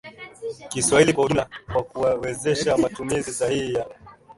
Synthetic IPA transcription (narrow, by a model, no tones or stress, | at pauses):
kiswailikwaulakwakuwawɛzɛʃamatumizizahihija